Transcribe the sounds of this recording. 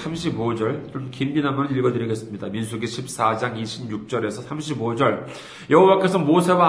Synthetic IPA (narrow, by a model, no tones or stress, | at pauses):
sʰamɕʰibod͡ʑʌɭt͡ɕomkimːinamʌnɯniɭɡʌdɯɾiɡe̞s͈ɯmɲidaminsʰuɡiɕʰip̚s͈ad͡ʑaŋiɕʰibɲuk̚t͡ɕ͈ʌɾe̞sʰʌsʰamɕʰibod͡ʑʌɭ | jʌɦowak͈e̞sʰʌmosʰe̞wa